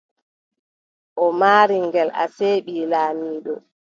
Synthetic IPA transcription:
ʔɔmaːɾiŋɡɛla̰seːɓiːlaːmiːɗɔ̰

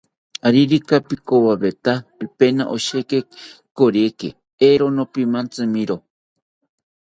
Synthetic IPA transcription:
aɾiɾikapikowaβet̪aipena̰ʔoʃekekoɾjekḛ | eɾonopimant͡sɨmĩɾo

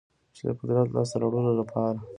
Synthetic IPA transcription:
t͡ʃed̪ə̰pʊd̪ɾɑt̪lʔɑ̰st̪aɾawɽunolapʰɑɾa

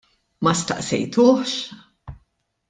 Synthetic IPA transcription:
mɐst̪ɐ̰ʔsɛ̰jt̪ʊːħʃ

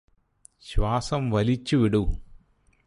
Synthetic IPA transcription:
ɕwaːsɐmʋɐlit͡ɕːuʋiɽu

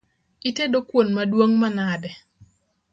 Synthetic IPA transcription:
itedokwonmadwoŋmanadɛ

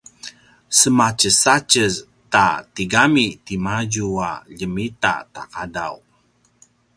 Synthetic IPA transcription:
səmat͡ʃəsat͡ʃəz | tatiɡamit̪imaɟuaʎəmita̰ta̰kada̰w

